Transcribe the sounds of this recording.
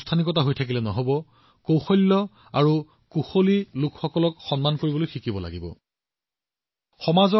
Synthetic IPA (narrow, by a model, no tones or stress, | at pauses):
stʰanikɔtaɦojtʰak̬ilɛnɔɦobɔ | kowxɔjlːɔ | aɹu | kuxolilʊkxɔkɔlɔkxɔnmankoɹibɔlojxikibɔla̰ɡibɔ̰ | xɔmaz